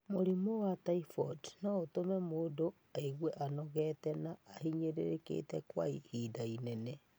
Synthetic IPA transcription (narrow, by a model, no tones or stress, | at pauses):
moɾimowataifɔtnaotomɛmoːdo | aeɣweʔanɔɣɛtɛnaːhiɲeɾḛɾekḛːtɛkwa̰ihiːdainɛnɛ